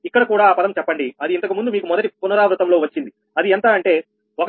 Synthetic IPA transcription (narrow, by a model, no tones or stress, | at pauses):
ikːɐɽɐkuːɽaːpɐd̪ɐmt͡ʃɛpːɐɳɖiɐd̪iːnt̪ɐkimund̪umiːkumɔd̪ɐʈipunɐɾaːʋɾut̪ɐmlo̞ːʋɐt͡ʃːind̪i | ɐd̪iɛnt̪aːɐɳʈe̞ː | ok